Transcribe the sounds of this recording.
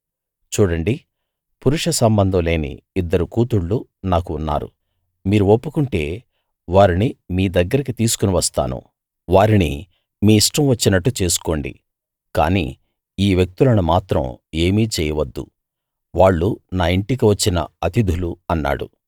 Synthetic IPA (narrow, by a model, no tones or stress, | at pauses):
t͡ʃuːɽɐɳɖi | puɾuʂɐsɐmbɐnd̪ʱɐ̃mle̞ːnḭːd̪ːɐɾukuːt̪uɽːunaːkuːnːa̰ːɾṵ | miːɾuopːukuɳʈe̞ː | ʋaːɾinimiːd̪ɐɡːɐɾɐkit̪iːsu̥kuniʋɐst̪a̰ːnṵ | ʋaːɾinḭ | miːʂʈɐmʋɐt͡ʃːinɐʈːut͡ʃe̞ːsu̥ko̞ːɳɖḭ | ka̰ːnḭː | iːʋjek̚t̪ulɐnumaːt̪ɾɐ̰me̞ːmiːt͡ʃɛːjɐʋɐd̪ːṵ | ʋaːɭːunaːiɳʈik̬iʋɐt͡ʃːinɐ̰ɐt̪id̪ʱuluɐnːa̰ːɽṵ